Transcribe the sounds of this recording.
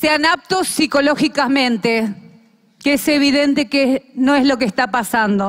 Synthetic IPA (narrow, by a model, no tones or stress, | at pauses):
seanap̚t̪osːiko̞lo̞xikamẽ̞nt̪e | keese̞βiðent̪e̞kenoezlo̞k̬est̪apasand̪o